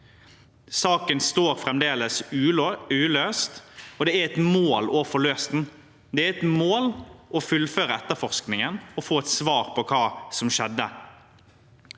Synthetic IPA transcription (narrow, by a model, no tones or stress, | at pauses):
sɑːkənst̪oːɾfɾɛmd̪eːləs | ʉːløːst̪ɔd̪ɛːæɾɛt̪moːloːfɔɭøːst̪n̩ | d̪ɛæɾɛt̪moːlʔɔfʉlːføːɾəɛt̪ːəfɔʁsknɪŋənɔfoːɛt̪sʋɑːʁpʰɔkʰɑːsɔmʃɛd̪ːə